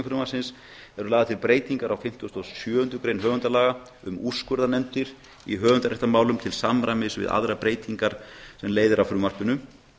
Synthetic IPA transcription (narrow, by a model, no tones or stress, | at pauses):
fɾʏːmḁsɪns | ɛɾʏlaːðat̪ʰɪlpɾeːjt̪iŋkaɾawfɪm̥t̪ːɔst̪ɔsjœːhʏnt̪ʏkɾejnɦœːɣʏnt̪alaːɣa | ʏmuskʏɾðanɛmt̪ɪɾ̥ | ḭɦœːɣʏnt̪aɾeht̪amaːwlʏmt̪ʰɪlsamɾamɪsvɪ̰ða̰ðɾapɾeːjt̪iŋkaɾ̥sɛmleːjðɪɾawfɾuːmar̥pʏnʏm